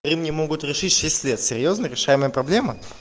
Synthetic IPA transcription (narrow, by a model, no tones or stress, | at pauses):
ɾʲimnʲɪmo̞ɡʊt̪ɾʲɪʂɨtʲʂɛsʲtʲlʲet̪sʲɪɾʲjoznəɾʲɪʂajɪməjəpɾɐblʲemə